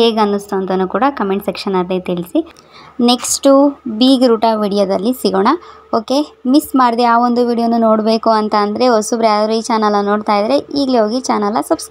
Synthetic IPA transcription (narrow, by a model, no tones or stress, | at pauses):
heːɡɐnːust̪uɐnt̪ɐnːuːkuːɽɐkɐmeɳʈsekʂɐnad̪et̪iɭisi | ne̞ksʈubiːɡɾuːʈaːʋiːɽijoːd̪ɐlːisiɡoːɳɐoːke̞mismaːɽd̪eaːʋo̞nd̪uʋiːɽijonːuno̞ːɽbe̞ːkuɐnt̪ɐːnd̪ɐɾeosubɾaːdɾuiːt͡ʃaːnɐlɐno̞ːɖt̪aːjid̪ɐɾeʔiːɡleɦoːɡit͡ʃaːnɐlːɐsɐbs